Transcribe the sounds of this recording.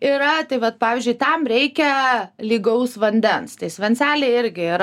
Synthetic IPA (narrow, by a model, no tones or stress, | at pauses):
iɾɐt̪ɐɪʋɐt̪̚pɑːʋʲɪzʲd͡ʒʊɪt̪ɐmɾʲɛɪkʲɛlʲiːɡɐʊsʋɐnʲd̪ʲɛnst̪ɐɪsʲʋʲɛnʲt͡s̪ʲæːlʲeɪɪɾʲɡʲɪɪɾ